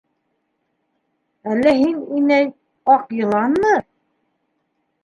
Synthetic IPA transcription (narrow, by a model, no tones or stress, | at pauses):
ælːæhininæj | ɑqjɤ̆lˠɑnːɤ